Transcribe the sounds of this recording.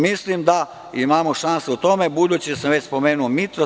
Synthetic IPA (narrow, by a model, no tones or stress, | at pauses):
mislimd̪a | imaːmoʃanseut̪o̞me̞bud̪uːt͡ɕid̪asamʋet͡ɕspo̞meːnuomit̪ɾo